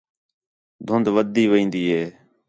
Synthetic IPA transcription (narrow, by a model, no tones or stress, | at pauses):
d̪ʱʊnd̪ʋəd̪iːʋəĩːnd̪iːɦeː